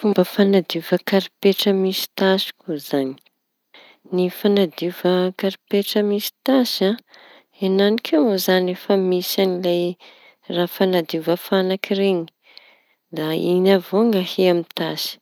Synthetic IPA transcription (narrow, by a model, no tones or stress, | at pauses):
fumbəfanad̪ivəkaɾipeʈ͡ʂəmisi̥t̪asi̥kʰuzani̥ | nifanad̪ivəkaɾipeʈ͡ʂəmisi̥t̪asa | enanikʰemozanefəmisanilaj | raːfanad̪ivəfanakireɲi̥ | d̪ainavoŋaheamit̪asi̥